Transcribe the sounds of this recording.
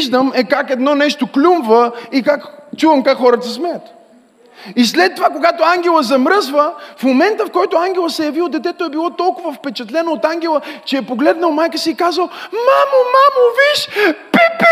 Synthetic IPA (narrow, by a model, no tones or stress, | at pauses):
ʒd̪əmɛkakɛd̪nɔnɛʃt̪oklʲumvəikakt͡ʃuvɐmkakxɔɾət̪əsmɛjət̪ | islɛt̪ːovakoɡat̪ʊaŋɡʲɛlˠəzɐmɾɤzvəfmomɛnt̪əfkɔjt̪oaŋɡʲɛlˠəsɛjɐviod̪ɛt̪ɛt̪oɛbilˠɔt̪ɔlˠkʊvəfpɛt͡ʃɛt̪lɛnoːt̪aŋɡʲɛlˠət͡ʃɛːpoɡlɛd̪nəlˠmajkəsiːkazəlmamʊmamʊviʃpip